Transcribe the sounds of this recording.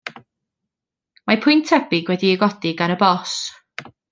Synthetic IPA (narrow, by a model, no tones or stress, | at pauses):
mapʰʊjntʰɛbɪɡwɛdiɛɡɔdiɡanəbɔs